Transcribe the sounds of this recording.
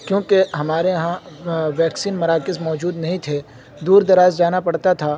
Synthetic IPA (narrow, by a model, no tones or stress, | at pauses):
kjõːkeɦɐmaːɾeɦã | ʋɛːksiːnmɐɾaːkɪzmɔːd͡ʒuːd̪nɐɦĩt̪ʰe | d̪uːɾd̪ɐɾaːzd͡ʒaːnapɐɽt̪at̪ʰaː